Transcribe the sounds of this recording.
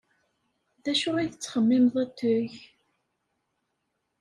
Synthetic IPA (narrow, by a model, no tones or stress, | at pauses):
ðæʃʊʁiθət͡sːχəmːɪmðˤæt̪ːʊʝ